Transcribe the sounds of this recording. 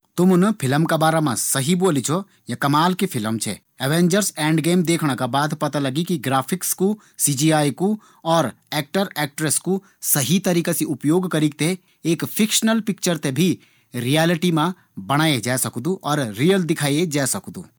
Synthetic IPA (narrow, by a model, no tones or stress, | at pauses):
t̪ʊmʊnpʰɪləmkabaːɾamãsɐɦiboːlit͡ʃʰo | jakɐmaːlkepʰɪləmt͡ʃʰɛ̰ | ɛʋẽːɲd͡ʒəɾsɛ̃ːɳɖɡeːmd̪eːkʰɽ̃akabaːd̪pɐt̪alɐɡikiɡɾaːpʰɪksku | sid͡ʒiaːjku | ɔːɾ | ɛːk̚ʈəɾɛːk̚ʈɾesku | sɐɦit̪ɐɾiːkasiʊpjoːɡkɐɾik̚t̪e | eːkpʰɪkʃənəlpɪk̚t͡ʃəɾt̪ebʱi | ɾijaːlɪʈimã | bɐɽ̃aːed͡ʒaːsɐkd̪ũʔɔːɾːijəld̪ɪkʰaːjed͡ʒaːsɐkd̪ṵ̃ː